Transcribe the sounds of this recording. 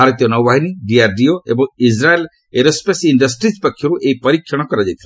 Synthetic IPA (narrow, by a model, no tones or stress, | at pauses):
aɾɔt̪ijɔnɔwbaɦiniɖiaɾɖioḛbɔŋid͡ʒɾael | eɾɔspesiɳɖʌsʈɾid͡ʒpɔkʰːjɔɾuʔeipɔɾikʰːjɔɽ̃ɔkɔɾad͡ʒajt̪ʰila